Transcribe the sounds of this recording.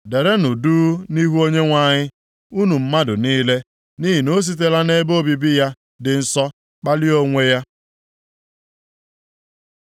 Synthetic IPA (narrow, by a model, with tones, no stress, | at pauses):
de˨ɾe˦nʊ˨duː˦ni˦ɦu˦o˦ɲe˦ŋʷa˦˨ɲɪ˦ | u˦nu˨m̩˦ma˦dʊ˨niː˦le˦ | ni˦ɦi˨no˦s̬i˦t̬e˦la˦ne˦bo˦bi˨bi˦ja˦ | dɪ˨n̩˦sɔ˦ | k͡pa˦lɪ˦o˦ŋʷe˦ja˦